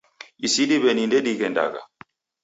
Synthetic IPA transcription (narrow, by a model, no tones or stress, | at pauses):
isiɗiβɛnindɛɗikɛnda̰ka̰